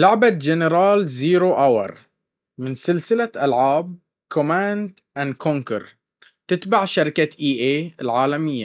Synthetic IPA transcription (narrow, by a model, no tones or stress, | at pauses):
lʊʕbad͡ʒɪnɪɾɑːlziːɾoʔawɑ̰ɾˤ | mɪnsɪlsɪlaʔalʕaːb̚ | kʰʊmaːnd̪ | ʔankʰʊŋkɑ̰ɾˤ | t̪ɪt̪baʕʃaɾɪkaʔiːʔeːɪlʕaːlamɪjːa̰